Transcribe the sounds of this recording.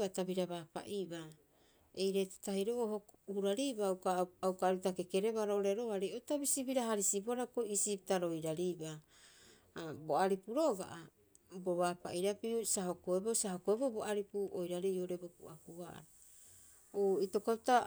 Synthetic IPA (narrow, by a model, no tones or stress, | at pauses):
atabiɾaβapa̰ʔiba | ejɾete̥tahiɾoohohuɾaɾibawkaaukaɾutake̞ke̞ɾe̞βaɾooɾeɾoaɾeotabisibiɾaɦaɾisiboaɾakoisip̚taɾo̞jɾaɾiba | bo̞aɾipuɾo̞ɡa̰ʔa | bo̞βaːpa̰ʔiɾapiusaɦo̞koebo̞saɦokoeboboaɾipuojɾaɾioɾe̞bokuakua̰ɾ | oito̞kauta